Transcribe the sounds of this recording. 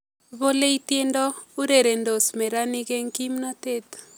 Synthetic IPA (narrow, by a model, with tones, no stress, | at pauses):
βo˦le˦i˦t̪e˦ndɔ˦u˦ɾe˨ɾe˨ndo˨smɛ˨ɾa˦nɪ˦ke˦ŋki˦mnɔ˦t̪e˦t̪